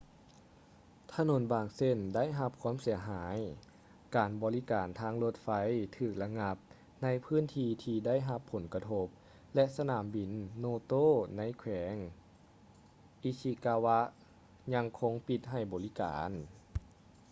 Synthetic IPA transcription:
t̪ʰa˧no˨˧˩nbaː˨˩ŋse˧˩˨nda˥˨jɦa˧p̚kʰwaː˧˥˨msi˨˩˦ɐɦaː˩˨˦j | kaː˨˩nbɔː˨li˦˥kaː˨nt̪ʰaː˧˥ŋlo˧t̪̚fa˧˥jt̪ʰɯː˧˨˩k̚la˧ŋa˧p̚ | na˧˥jpʰɯː˧˥˨nt̪ʰiː˧t̪ʰiː˧da˥˨jɦa˧pʰːo˨˩˦nka˧t̪ʰo˧˥p̚ | lɛ˧sa˧naː˨˩˦mbi˨˩nːoː˧˦t̪oː˥˨na˧˥jkʰwɛː˩˦ŋ | ʔi˧˥si˧kaː˧wa˧˥ | ɲa˧˥ŋkʰo˧˥ŋpi˧t̪̚ɦa˧˩jbɔː˨˩li˦˥ka̰ː˨˦n

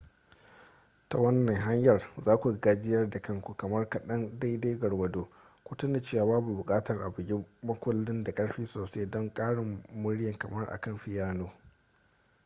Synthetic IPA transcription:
ta˨wɐ˦nːɐ˨ŋɦa˦ɲjɐ˨rzaː˦kʷu˨ɡaː˦d͡ʒɪ˦jɐ˦rda˨kɐ˦ŋkʷu˨kɐ˨mɐ˦rkɐ˨ɗɐ˦nda˦jdaː˦ɡɐ˨rwɐ˨doː˦ | kʷʊ˦tʊ˦na˨t͡ʃeː˦wa˨baː˦bu˨bʊ˨kʼaː˦tɐ˨rʔa̰˨bʊ˨ɡʲɪ˦mɐ˦kʷʊ˦lːɪ˦nda˨kʼɐ˦ɽɸiː˦soː˨se˦dɔ˦ŋkʼaː˦ɽɪ˨mːʊ˦ɽjɐ˨ŋkɐ˨mɐ˦rʔa̰˨kɐ˦˨mɸɪ˨jaː˦noː˦

